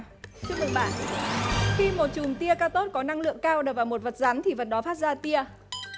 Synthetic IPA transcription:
t͡ɕɨ˦ək̚mɨ˨˩ɓaː˧˩n | xi˧mo˨˩t̚t͡ɕu˨˩nt̪i˧əkaː˧t̪o˦˥t̚kɔ˨˦na˧ŋlɨ̰˧˨əŋkaː˧wɗə˨˩vaː˨˩wmo˨˩t̚və˨˩t̚za˨˦nt̪ʰi˨˩və˨˩t̚ɗɔ˨˦faː˦˥t̚zaː˧t̪i˧ə

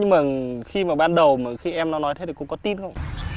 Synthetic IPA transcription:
ɲɨ˧ŋməː˨˩xi˧maː˨˩ɓaː˧nɗə˨˩wməː˨˩˨xi˧ʔɛ˧mnɔ˨˦nɔ˨˦j̪ʰe˨˦t̪ʰːkʊ˧˥ŋ͡mkɔ˨˦t̪i˧nxə˧wŋ͡m

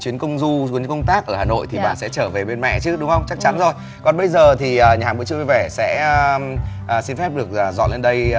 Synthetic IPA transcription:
t͡ɕwi˨˦ənkə˧wŋ͡mzu˧t͡ɕi˨˦ənkə˧wŋ͡mt̪aː˦˥k̚ʔəː˧˩aː˨˩no̰˧˨jt̪ʰi˨˩ɓa̰ː˧˨nsɛ̰˧˥t͡ɕəː˧˩ve˨˩ɓe˧nmɛ̰˧˨t͡ɕɨ˨˦ɗʊ˨˦ŋ͡mhə˧wŋ͡mt͡ɕa˦˥k̚t͡ɕa˨˦nzo˨˩j | kɔ˨˩nɓə˧jzəː˨˩t̪ʰi˨˩ʔəː˨˩ɲaː˨˩mɨ̰˧˥t͡ɕɨ˧˨vvɛ˧˩sɛ̰˧˥mː˨˩ | si˧nfɛ˦˥p̚ɗɨ˨˩ək̚ːzɔ̰˧˨nle˧nɗə˧j

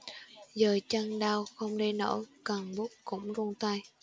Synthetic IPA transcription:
zəː˨˩t͡ɕa˧ŋɗaː˧wxə˧wŋ͡mɗe˧no̰˧˥kə˨˩ŋɓʊ˦˥k̚kʊ̰˧˥ŋ͡mzu˧ŋt̪a˧j

